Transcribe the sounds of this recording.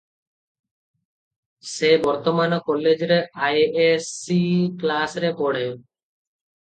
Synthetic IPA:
sebɔɾt̪omanokɔled͡ʑɾeajesiklasɾepɔɽe

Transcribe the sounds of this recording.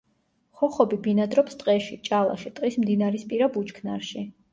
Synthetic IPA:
χɔχɔbibinad̪ɾɔpst̪ʼqʼɛʃit͡ʃʼalˠa̰ʃit̪ʼqʼismd̪inaɾispʼiɾabut͡ʃkʰnaɾʃi

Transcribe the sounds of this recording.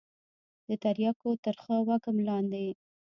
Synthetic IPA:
d̪ət̪aɾjɑkot̪əɾxəwakəmlɑnd̪e

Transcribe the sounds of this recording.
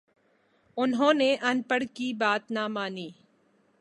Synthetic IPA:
ʊnɦõːneʔɐnpəɽkibaːt̪namaːniː

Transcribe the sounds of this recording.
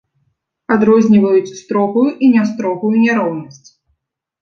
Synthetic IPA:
ad̪ɾɔzʲnʲivɐjut͡sʲst̪ɾɔpujuʔinʲast̪ɾɔɣujunʲɛɾɔwnɐsʲt͡sʲ

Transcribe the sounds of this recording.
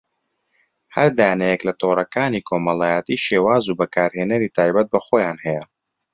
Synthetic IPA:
hɐɾd̪aːjanɛjɛklɐt̪ʰoːrˤɐkaːniːkʰoːmɐlˠaːjɛt̪iːʃeːwaːzubɐkaːɾheːnɐɾiːt̪ʰaːjbɐt̪̚bɐxoːjaːnhɛjɛ

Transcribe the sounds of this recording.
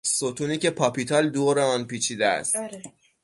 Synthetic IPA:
sot̪ʰuːniːcʰe̞pʰɒːpit̪ʰɒld̪oːɾeɒːnpiːt͡ʃʰiːd̪eæ̰st̪

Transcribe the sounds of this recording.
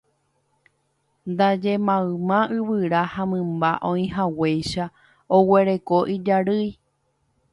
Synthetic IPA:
nd̪ad͡ʒe̞mãɨmãɨβɨɾahãmɨ̃mbaʔõĩɦaweʃa | owe̞ɾe̞ko̞ʔid͡ʒaɾɨj

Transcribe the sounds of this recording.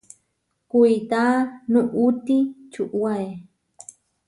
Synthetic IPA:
kujt̪anuʔut̪it͡ʃuʔwaj

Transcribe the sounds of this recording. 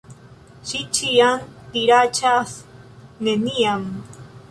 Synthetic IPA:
ʃit͡ʃiant̪iɾat͡ʃasneniaŋ

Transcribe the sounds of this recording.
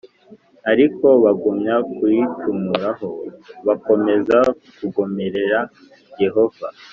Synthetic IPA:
aɾiko̞βaɡumɲakwit͡ʃumuɾaho̞βako̞me̞za | kuɡomeɾe̞ɾa | je̞ɦo̞v̥a̰

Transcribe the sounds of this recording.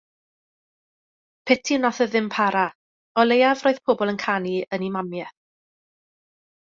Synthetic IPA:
pʰɛtʰiwnaθəðɪmpʰaɾa | ɔlˠejavroːɨðpʰɔːbɔlˠənkʰaniənimamjɛθ

